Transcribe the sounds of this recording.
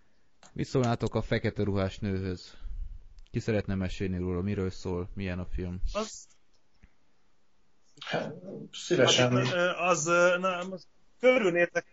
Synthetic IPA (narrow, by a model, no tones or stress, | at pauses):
mḭt̪soːlnaːt̪o̞kɒfɛkɛt̪ɛɾuɦaːʃnøːɦøz̥ | kisɛɾɛt̪nɛmɛʃeːlniɾoːlɒmiɾøːlsoːlmijɛnɒfilm | hat̪sivɛʃɛnːɒznɛ | køɾyneːrt̪ɛ